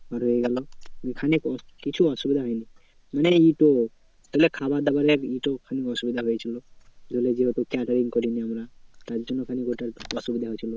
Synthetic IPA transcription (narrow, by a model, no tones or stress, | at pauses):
aɾejɡalɔmikʰanikɔkit͡ʃʰuɔsubid̪ʱaɦɔjni | maneiʈo | t̪aɦlekʰabad̪abaɾeɾiʈɔkʰanikɔsubid̪ʱaɦojet͡ʃʰilɔd̪oled͡ʒiɦot̪ukaʈɔɾiŋkɔɾiniamɾat̪aɾd͡ʒɔnːɔkʰanikoʈaɾɔsubid̪ʱaɦojt͡ʃʰilɔ